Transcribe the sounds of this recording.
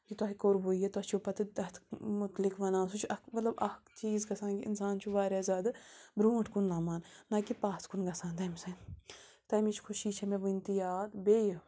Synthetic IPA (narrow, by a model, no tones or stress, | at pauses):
kit̪aːɦikoːɾboijet̪aːt͡ʃʰopɐt̪d̪ɐt̪ʰmʊt̪lɪkʋɐnãːnsut͡ʃʰʔɐkmɐt̪lɐbɐkt͡ʃiːzɡɐsãːnkiɪ̰nsaːnt͡ʃʰuʋaːɾaːzaːd̪bɾuːʈʰkunlaːmaːnːakipaːt̪kunɡɐsãːnt̪ɐːmisɐ̃ | t̪ɐːmit͡ʃʰkʰʊʃiːt͡ʃʰɐmẽʋint̪ijaːt̪beːj